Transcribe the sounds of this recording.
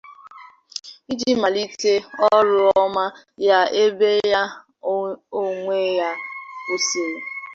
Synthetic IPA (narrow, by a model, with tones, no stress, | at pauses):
i˦d͡ʒi˦ma˨li˦te˦ɔ˦ɾʊ˦ɔ˦ma˦ | ja˦e˦be˦ja˦ | o˦ŋʷe˦ja˦ko˦se˨